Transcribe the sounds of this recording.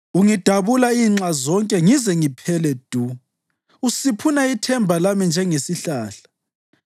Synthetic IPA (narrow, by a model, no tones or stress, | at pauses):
uŋid̥ʱaβulaiːŋ͡ǁazɔŋkʼɛŋizɛŋipʰɛlɛd̥ʱu | usipʰunaitʰɛmbʱalamind͡ʒʱɛŋesiɬaːɬḁ